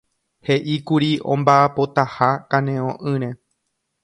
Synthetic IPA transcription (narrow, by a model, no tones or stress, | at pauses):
he̞ʔikuɾiʔõmbaːpo̞t̪ahakãnẽõʔɨ̃ɾ̃ẽ̞